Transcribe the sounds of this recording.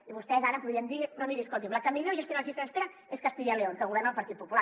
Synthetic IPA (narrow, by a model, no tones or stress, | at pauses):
iβust̪ɛzaɾəpuðɾiənd̪inoniɾiskolˠt̪̬imblakəmiʎoʒəst̪jonasist̪əəspeɾa | eskast̪iʎeleoŋkəɣuβɛrnəlpɐɾt̪it̪̚pupula